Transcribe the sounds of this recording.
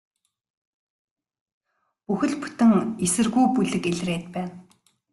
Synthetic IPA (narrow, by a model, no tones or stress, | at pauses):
puxɘ̆ɮpu̥t̪ɘ̆ŋesɘ̆rɣujpuɮɘ̆keɮreːt̪̚pæːn